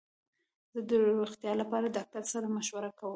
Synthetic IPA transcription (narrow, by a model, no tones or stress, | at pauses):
zəd̪əɾuxt̪jɑlapɑɾad̪ɑk̚t̪aɾsaɾamaʃwaɾakawəm